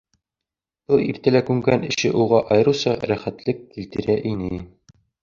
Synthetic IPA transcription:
b̥ɤlˠiɾt̪ælækʉŋɡænɘ̆ɕɘʔuʁɑʔɒjɤ̆ɾɤ̆wsɑɾæχæt̪lɘkːilt̪ɘ̆ɾæʔinɘ

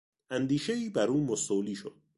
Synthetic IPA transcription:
ʔænd̪iːʃeiːbæɾuːmosoliːʃod̪̥̚

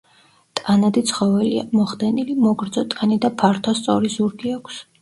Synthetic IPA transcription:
t̪ʼanad̪it̪sʰχɔvɛlia̰mɔχd̪ɛnilimɔɡɾd̪zɔt̪ʼanid̪apʰaɾt̪ʰɔst̪sʼɔɾizuɾɡiakʷʰs

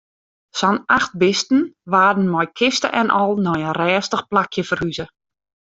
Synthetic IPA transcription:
sɔnaxt̚bɪstn̩ʋaːdən̩mɔjkʰɪstə̰ʔɛnʔɔlˠnɔjənrɛːstəxplakjəfərhyzə

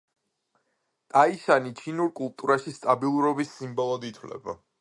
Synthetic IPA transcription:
t̪ʼaiʃanit͡ʃʰinuɾkʼulˠt̪ʼuɾaʃist̪ʼabilˠuɾɔbisːimbɔlˠɔd̪it̪ʰwlɛ̰ba̰

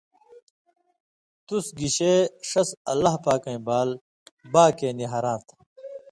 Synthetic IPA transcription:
t̪usɡiɕeːʂɐsɐ̰lɐɦpaːkɐ̃ĩbaːl | baːkeːniɦɐɾãːt̪ʰ

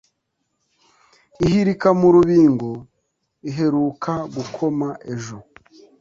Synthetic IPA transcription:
ihiɾikamuɾuβiːŋɡo̞ | iɦe̞ɾuːkaɡukʰo̞maʔe̞ʒo̞

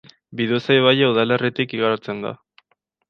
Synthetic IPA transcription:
biðosaeβ̞ajauðale̞rit̪ikiɣaɾt͡se̞nd̪a̰

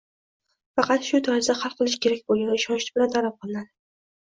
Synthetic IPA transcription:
fɑqɑt̪ʃʊt̪ʰɒɪzd̪aχɑlˠqʰɨlˠɪʃkʲʰe̞ɾak̚ʲboɡʲaɪʃɒnʃt͡ʃ̪bɪɾat̪ʰaɾap̚qʰɨlˠɪnad̪ɪ

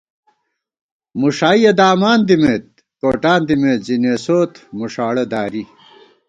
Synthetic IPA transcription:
muʂaːijɐd̪aːmaːnd̪imeːt̪̚ | koːʈaːnd̪imeːt̪zineːsoːt̪muʂaːɽed̪aːɾi

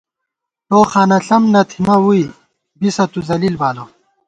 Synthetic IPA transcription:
t̪oːxaːnɐɬɐmnɐt̪ʰimɐwui | bisɐt̪uzɐlilbaːlo

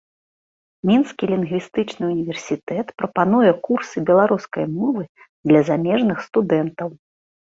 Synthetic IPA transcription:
mʲinskʲilʲinɣvʲist̪ɨt͡ʂnɨunʲivʲɛrsʲit̪ɛt̪pɾɐpanujɛkursɨbʲɛlˠaɾuskɐjmɔvɨ | d̪lʲɐzamʲɛʐnɨxst̪ud̪ɛnt̪ɐw

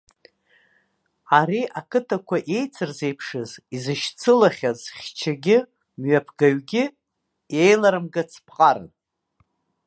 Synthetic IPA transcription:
aɾiʔakʰɨtʰakʷʰaʔe̞jt͡sʰɨrze̞jpʰʂɨzizɨʃt͡sʰɨlaχʲazχʲt͡ʃʰaɡʲɪ | mɥapʰɡaɥɡʲɪ | je̞jlaɾɨmɡɨt͡sʰpʰqʼar̰

